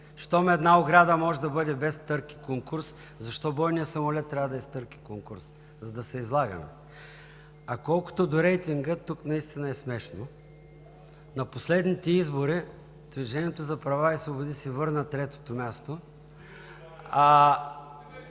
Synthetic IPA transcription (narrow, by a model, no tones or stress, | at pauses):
ʃt̪ɔmɛd̪naoɡɾad̪əmɔʒɛd̪ɐbɤd̪ɛbɛst̪ɤɾki̥koŋkuɾs | zɐʃt̪ɔbɔjnijəsɐmʊlɛt̪ːɾʲavəd̪ɐɛst̪ɤɾki̥koŋkuɾs | zɐd̪ɐsɛizlˠaɡə̰mɛ̰ | ɐkɔlˠkʊ̥t̪od̪oɾɛjt̪iŋɡət̪uknɐist̪inɐɛsmɛʃno | nɐposlɛd̪nit̪ɛizboɾi | d̪̥viʒɛnʲiɛt̪ozɐpɾɐvaisvobʊd̪isɛvɤɾnət̪ɾɛt̪o̥t̪omʲjast̪o | a